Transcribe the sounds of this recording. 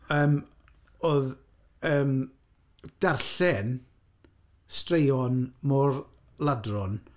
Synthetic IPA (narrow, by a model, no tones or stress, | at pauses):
əːm | oːð | əːm | d̥arɬɛn | strejɔnmɔr | lˠadrɔn